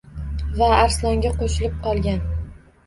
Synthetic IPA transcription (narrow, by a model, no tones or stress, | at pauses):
vaːɾslˠɒŋɡʲaqoʃɪlɪp̚qɒlˠɡʲan